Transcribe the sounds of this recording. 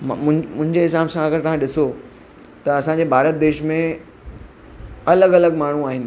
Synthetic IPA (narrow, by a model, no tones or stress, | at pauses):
mmʊ̃mʊ̃ɦɪ̃ɲd͡ʑeɦɪs̬aːbsãɐɡəɾt̪ɐʋ̤ãɗɪso | t̪ɐɐsãːɲd͡ʑebʱaːɾət̪̚d̪eːʃmẽ | ɐləɡɐləɡmaːɳ̤uaːɦɪnɪ̆